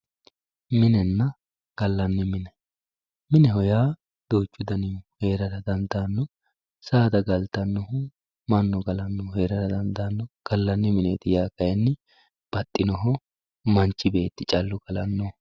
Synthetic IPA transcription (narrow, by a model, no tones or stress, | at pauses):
mɪnɛnːɐ | ɡ̥ɐlːɐnːɪmɪnɛ | mɪnɛɦɔjaː | d̪̥o̞ːt͡ʃːʊd̪ɐnɪhe̞ːɾɐɾɐd̪ɐnd̪aːnːɔ | saːd̪ɐɡɐlt̪ɐnːɔhʊ | mɐnːɔɡɐlɐnːɔhe̞ːɾɐt̪ɐd̪ɐnd̪aːnːɔɡ̥ɐlːɐnːɪmɪneːt̪ɪjaːkɐjɛnːɪ | b̥ɐt̪ʼːɪnɔɦɔ | mɐnt͡ʃːɪbe̞ːt̪ːɪt͡ʃʼɐlːʊɡɐlɐnːɔ